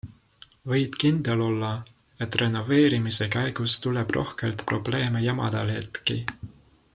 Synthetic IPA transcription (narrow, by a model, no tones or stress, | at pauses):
vɤ̞jd̪̥kind̪̥e̞lo̞lːɑ | e̞t̪ːˑre̞no̞ve̞ːɾimisekæjɡ̥ust̪ule̞b̥rʔo̞̰hkelt̪pro̞b̥le̞ːmejɑmɑ̰d̪̥ɑlhḛt̪ki